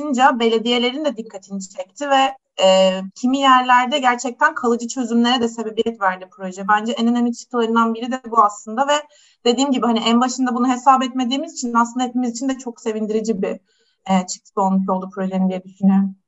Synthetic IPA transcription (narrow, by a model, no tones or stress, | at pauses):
ɯnd͡ʒabe̞lʲe̞d̪ije̞lʲe̞ɾind̪ɛd̪ikʰːat̪ʰinit͡ʃʰɛc̚t̪ʰivɛ | ɛːcʰimijæɾlʲæɾd̪ɛɟæɾt͡ʃʰɛc̚t̪ʰænkʰalˠɯd͡ʒɯt͡ʃʰø̞zymlʲe̞ɾɛd̪ɛse̞be̞bijɛt̪væɾd̪ipʰɾo̞ʒɛbænd͡ʒɛʔenenamit̪t͡ʃʰɯ̥k̪ʰɯlˠaɾɯnd̪anbiɾid̪ɛbuaslˠɯnd̪avɛ | d̪̥e̞d̪iːmɟibihaniʔænbaʃɯnd̪abunuɦe̞saːbɛt̪me̞d̪iːmizit͡ʃʰinaslˠɯnd̪ahepimizit͡ʃʰind̪ɛt͡ʃʰo̞kse̞vind̪iɾid͡ʒibi | ɛːt͡ʃʰɯ̥k̚t̪ʰɯ̥ko̞lˠmuʃo̞lˠd̪upʰɾo̞ʒenind̪ijɛd̪yʃynyjø